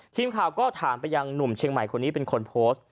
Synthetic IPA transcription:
t̪ʰiː˧mkʰaː˨˩wkɔː˥˩t̪ʰaː˩˦npa˧jːa˧ŋnu˨˩mt͡ɕʰi˧əŋma˨˩jkʰo˧nːiː˦˥pe˧nkʰo˧npʰoː˦˥st̪̚

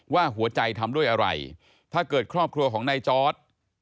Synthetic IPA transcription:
waː˥˩ɦu˩˦ɐt͡ɕa˧jt̪ʰa˧mdu˥˩əjʔa˧ɾa̰˧j | t̪ʰaː˥˩kɤː˨˩t̪̚kʰɾɔː˥˩p̚kʰɾu˧ɐkʰɔː˩˦ŋna˧jt͡ɕɔː˦˥t̪̚

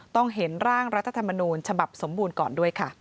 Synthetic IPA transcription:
t̪ɔ˥˩ŋɦe˩˦nɾaː˥˩ŋɾa˦˥t̪ʰːa˧t̪ʰa˧mːa˧nuː˧nt͡ɕʰa˧ba˨˩p̚so˩˦mbuː˧nkɔː˨˩ndu˥˩əjkʰa˥˩

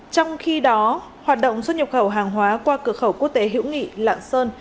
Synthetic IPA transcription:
t͡ɕɔ˧wŋ͡mxi˧ɗɔ˨˦ | hwaː˨˩t̚ɗə̰˧˨wŋ͡mswə˧t̚ɲə˨˩xə˧˩wɦaː˨˩ŋɦwaː˨˦kwaː˧kɨ˧˩əkxə˧˩wku˦˥ək̚t̪e˨˦ɦḭ˧˥wŋḭ˧˨la̰ː˧˨nsəː˧n

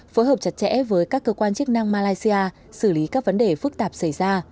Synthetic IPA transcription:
foː˨˦jɦəː˨˩p̚t͡ɕa˨˦˩t̚t͡ɕɛ̰˧˥vəː˨˦jkaː˦˥kːəː˧kwaː˧nt͡ɕɨ˦˥ək̚na˧ŋmaː˧laː˧jsi˧aː˧ | sɨ˧˩li˨˦kaː˦˥k̚və˨˦nɗe˧˨˩fɨ˦˥k̚t̪aː˨˩p̚sa˧˩jzaː˧

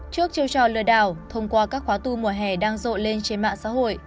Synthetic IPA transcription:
t͡ɕɨ˦˥ək̚t͡ɕi˧wt͡ɕɔ˧˩lɨ̰˧˩əɗaː˧˩wt̪ʰə˧wŋ͡mkwaː˧kaː˦˥kxwaː˨˦t̪u˧mu˨˩əɦɛ˨˩ɗaː˧ŋzo̰˧˨nle˧nt͡ɕe˧nma̰ː˧˨ŋsa̰ː˧˥ɦo̰˧˨j

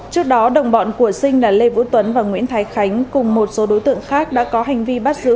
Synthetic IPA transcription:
t͡ɕɨ˦˥ək̚ɗɔ˨˦ɗə˨˩wŋ͡mɓɔ̰˧˨nku˧˩əsï˧ŋlaː˨˩le˧vṵ˧˥t̪wə˨˦nvaː˨˩ŋwḭ˧˥ənt̪ʰaː˨˦jxa˨˦jŋ̟kʊ˨˩ŋ͡mmo˨˩t̚so˨˦ɗo˨˦jt̪ɨ̰˧˨əŋxaː˦˥k̚ɗa̰ː˧˥kɔ˨˦ɦa˨˩ŋ̟vi˧ɓa˦˥t̚zɨ̰˧˥

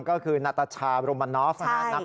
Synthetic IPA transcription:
ŋkɔː˥˩kʰɯː˧na˦˥t̪ːa˧t͡ɕʰaː˧ɾoː˧ma˧nːɔː˦˥fʔaa˨˦nna˦˥

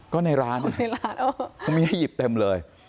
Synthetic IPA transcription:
kɔː˥˩na˧jɾaː˦˥na˧˩ɾaː˦˥nʔo˧a˧ŋmi˧ha˥˩ji˨˩p̚t̪e˧mlɤː˧j

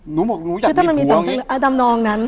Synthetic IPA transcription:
nu˨˦˨nu˨˦ɯ˧tʰa˥˩ma˧nmiː˧sɔ˨˩˦ŋʰaː˦˥lːʔaː˧˩da˧mnɔː˧ŋna˦˥n

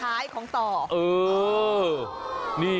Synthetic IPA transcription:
aː˦˥jkʰɔː˩˦ŋt̪ɔː˨˩ʔɤː˨˧ | niː˥˩

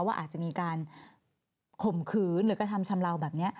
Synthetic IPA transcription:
waː˥˩ʔaː˨˩t̪̚t͡ɕa˨˩miː˧kaː˧n | kʰo˨˩mkʰɯː˨˧˦nɾɯː˨˦ka˧˩t̪ʰa˧mt͡ɕʰa˧mɾa˧wbɛː˨˩p̚ni˦˥ɐʔ

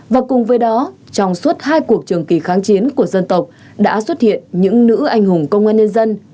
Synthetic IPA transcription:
vaː˨˩kʊ˨˩ŋ͡mvəː˨˦jɗɔ˨˦ | t͡ɕɔ˧wŋ͡mswə˦˥t̚haː˧jku˨˩ək̚t͡ɕɨ˨˩əŋki˧˩xaː˨˦ŋt͡ɕi˨˦nku˧˩əzə˧nt̪ə˨˩wk͡p̚ | ɗa̰ː˧˥swt̚hḭ˧˨ənɲɨ̰˧˥ŋnɨ̰˧˥ʔa˧jŋ̟hʊ˨˩ŋ͡mkə˧wŋ͡mʔaː˧nɲə˧nzə˧n

